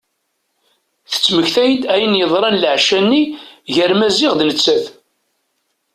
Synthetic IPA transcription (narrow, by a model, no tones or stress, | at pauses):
θə̥t͡sːməçθæjd̪æjənjəðˤɾˤɑnləʕʃænːiʝəɾmæzɪʁd̪nət͡sːæθ